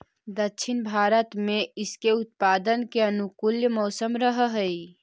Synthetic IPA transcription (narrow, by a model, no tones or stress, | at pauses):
d̪əkːʃʰɪnbʱaːɾət̪mẽɪskeʊt̪̚paːd̪ənkeənukuljəmɔːsəmɾəɦɦəi